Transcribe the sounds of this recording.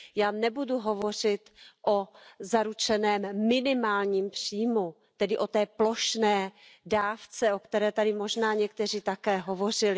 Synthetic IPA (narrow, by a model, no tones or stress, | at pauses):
jaːnɛbuduɦo̞vo̞r̝ɪt̪ʔozaɾut͡ʃɛnɛːmmɪnɪmaːlɲiːmpr̥iːmu | t̪ɛdɪʔo̞t̪ɛːploʃnɛːdaːft͡sɛokt̪ɛɾɛːt̪adɪmoʒnaːɲɛk̚t̪ɛr̝iːt̪akɛːɦovo̞r̝ɪlɪ